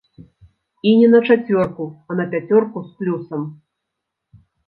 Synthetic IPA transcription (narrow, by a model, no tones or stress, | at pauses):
inʲɛnɐt͡ʂat͡sʲvʲɔrkuɐnɐpʲat͡sʲɔrkusplʲusɐm